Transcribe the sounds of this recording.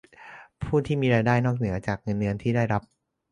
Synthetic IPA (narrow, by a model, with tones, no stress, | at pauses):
pʰuː˥˩t̪ʰiː˥˩miː˧ɾaː˧jdaː˥˩jnɔː˥˩k̚nɯ˩˦ɐt͡ɕaː˨˩k̚ŋɤ˧nːɯ˧ənt̪ʰiː˥˩daː˥˩jɾa˦˥p̚